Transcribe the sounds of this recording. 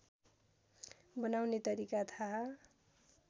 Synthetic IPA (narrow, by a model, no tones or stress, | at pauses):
bʌnawnet̪ʌɾikat̪ʰa